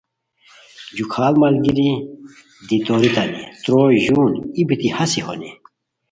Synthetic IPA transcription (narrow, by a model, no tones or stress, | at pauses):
d͡ʑukʰaːlmɐlɡiɾi | d̪it̪oːɾit̪ɐnḭt̪ɾoːjʑunibit̪ihɐsiho̰ni